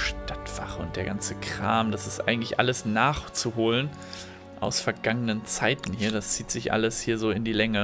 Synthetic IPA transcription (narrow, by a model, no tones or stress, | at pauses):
ʃtatv̥a̰χəʊ̰nt̚d̥eːɐɡant͡səkʁ̥aːmd̥asɪstʔa̰ɪɡŋ̩tlɪçʔaləsnaːχt͡suɦoːlən | ʔa̰ʊsfɛɐɡaŋənənt͡saɪtn̩hiːɐdast͡siːtz̥ɪçʔa̰ləshiːɐzoːɪndiːlɛŋə